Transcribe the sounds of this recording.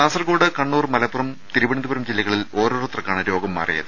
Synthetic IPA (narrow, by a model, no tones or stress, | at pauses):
aːsɐrkoːɽɨkɐɳːuːrmɐlɐpːurɐmt̪iɾubɐɳind̪ubɐɾɐmd͡ʑilːɐɣɐɭilo̞ːɾoːrot̪rɐkːaːɳɨɾo̞ːɡɐmːɐ̰rḭjɐ̰ðɨ